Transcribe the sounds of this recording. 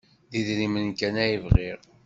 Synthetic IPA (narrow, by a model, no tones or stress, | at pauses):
ðiðɾimənkænæjivʁiɾ